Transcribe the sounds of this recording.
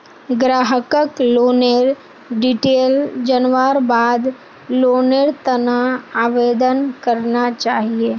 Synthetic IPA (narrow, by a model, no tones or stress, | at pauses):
ɡɾaːɦəkəkloːneɾ | ɖiʈeːld͡ʒənʋaːɾbaːd̪ | loːneɾt̪ɐnaaːʋeːd̪ənkəɾnat͡ʃaːɦieː